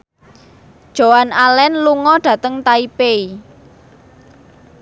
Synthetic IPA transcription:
d̥ʒ̥o̤analɛnluŋɔɖ̥ä̤t̪əŋt̪aipei

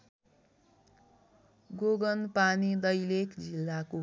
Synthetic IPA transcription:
ɡoɡʌnpanid̪ʌjlekd͡zilːako

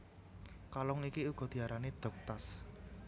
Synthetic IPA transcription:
kalɔŋikiuɡ̥ɔ̤d̪̥i̤aɾanid̪̥ɔ̤k̚t̪as

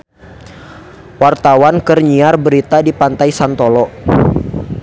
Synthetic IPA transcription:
wart̪awankərɲiarbəɾit̪adipant̪ajsant̪olɔ

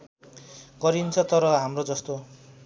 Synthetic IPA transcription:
kʌɾint͡sʰʌt̪ʌɾʌɦamrod͡zʌst̪o

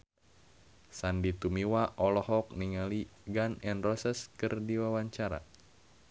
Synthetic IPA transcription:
sandit̪umiwaʔɔlɔɦɔk̚niŋaliɡanɛnrɔsəskɨrdiwawaɲt͡ʃaɾa̰

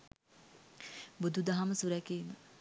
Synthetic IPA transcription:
bud̪ʱud̪aɦaməsuɾɛkiːmə

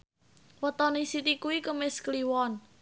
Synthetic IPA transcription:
wət̪ɔnisit̪ikuwikəmɪskliwɔn

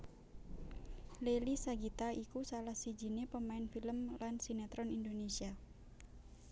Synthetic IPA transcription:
lelisaɡit̪aikusalahsid͡ʒi̤nepəmaɪnfiləmlansinat̪ɾɔnindonesia

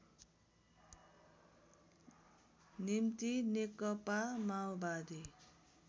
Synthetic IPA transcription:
nimt̪inekʌpamawbad̪i

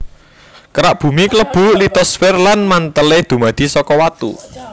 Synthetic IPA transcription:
kəɾaʔb̥ṳmikələb̥ṳlit̪ɔsfɪrlanmant̪əled̪̥ṳmad̪̥i̤sɔkɔwat̪ṵ

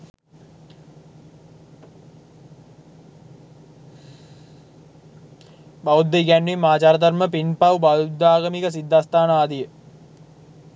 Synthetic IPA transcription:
baud̪ːeɡænʋimːaːt͡ʃaːɾəd̪ɐɾməpinpɐwbaud̪aːɡəmikəs̬id̪ʱːaːst̪ʰaːnaːd̪ijə

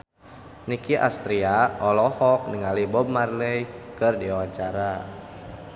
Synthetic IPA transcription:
nikiʔa̰st̪ɾiaɔlɔhɔk̚nəŋalibɔb̚marlɛjkɨrdiawaɲt͡ʃaɾa

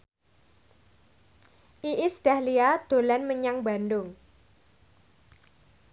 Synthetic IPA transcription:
ʔiʔisd̥a̤hliad̪̥o̤lɛnməɲaŋbandʊŋ

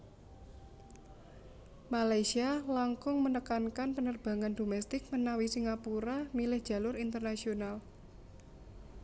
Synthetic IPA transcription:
malajsialaŋkʊŋmənəkankanpənərb̥ä̤ŋand̪o̤mɛst̪ɪk̚mənawisiŋapuɾamilɪhd̥ʒ̥ä̤lʊɾint̪ərnasional

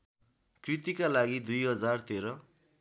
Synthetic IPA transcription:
krit̪ikalaɡid̪ujɦʌd͡zart̪eɾʌ

